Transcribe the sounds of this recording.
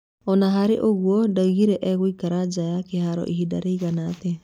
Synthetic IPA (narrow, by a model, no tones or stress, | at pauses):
ɔnaɦaɾḛʔoɣwɔdaiɣiɾɛʔɛɣwikaɾad͡ʒajakehaɾɔ̰ʔiɦida̰ɾeiɣanate